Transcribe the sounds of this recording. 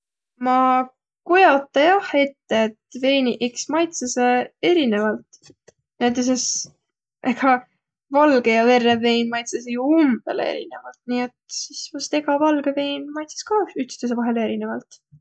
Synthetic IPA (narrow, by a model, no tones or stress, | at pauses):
mɑ | kojɑt̪ːˑɑjɑhe̞t̪ːeːt̪ve̞ːniʔeksmɑjt̪sɑsee̞ɾine̞vɑlt̪ | net̪ːˑes̬es | ʔekɑ | vɑlɡ̥ejɑve̞rːeve̞jnmɑjt̪sɑsejuumb̥e̞lḛḛɾḭne̞vɑlt̪niet̪sisvɑst̪e̞ɡɑvɑlɡ̥eve̞jnmɑjt̪sɑ̥skɑyt̪st̪es̬evɑɦe̞leeɾine̞vɑlt̪